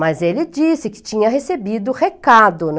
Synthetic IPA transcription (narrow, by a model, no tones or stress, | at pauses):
mɐzelɪd͡ʒisɪkɪ̥t͡ʃĩɲɐɦesebid̪ʊhekad̪ʊn